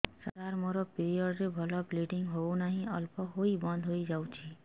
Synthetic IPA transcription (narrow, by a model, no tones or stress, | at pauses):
sat̪aɾmoɾɔpiɾiɔɽɾebʱɔlɔpliʈiŋɦownaɦĩɔlpɔɦojbɔnd̪ʱɦojd͡ʒawt͡ʃʰi